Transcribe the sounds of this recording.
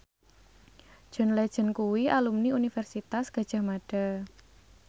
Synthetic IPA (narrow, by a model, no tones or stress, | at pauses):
d̥ʒ̥ʊ̤nled̥ʒ̥ə̤nkuwiʔalumniunifɛrsit̪asɡ̥a̤̥ʒ̥a̤hmaɖ̥a̤